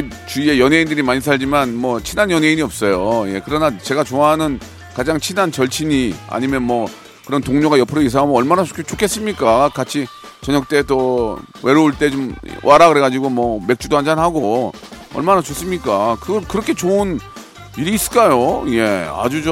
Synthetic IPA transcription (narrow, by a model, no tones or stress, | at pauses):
it͡ɕuie̞jʌnɦe̞indɯɾimaɲisʰaʎd͡ʑimanmʌt͡ɕʰinanjʌne̞iɲiʌp̚s͈ʌjoje̞kɯɾʌnat͡ɕe̞ɡat͡ɕoaɦanɯn | kad͡ʑaŋt͡ɕʰinant͡ɕʌɭt͡ɕʰiɲia̰ɲimjʌnmwʌ | kɯɾʌntoŋɲoɡajʌpʰɯɾois̬ʰaŋamɯʌɭmanaokʰt͡ɕokʰe̞s͈ɯmɲik͈akat͡ɕʰi | t͡ɕʌɲʌk̚t͈e̞to | we̞ɾooɭt͈e̞t͡ɕomwʔaɾaɡɯɾe̞ɣad͡ʑiɡomwʌme̞k̚t͡ɕ͈udoɦand͡ʑanɦaɡo | ʌ̰ɭmanat͡ɕos͈ɯmɲik͈akɯɡʌɭkɯɾʌkʰe̞t͡ɕoɯn | iɾiːs͈ɯ̥k͈ajoje̞a̰d͡ʑud͡ʑo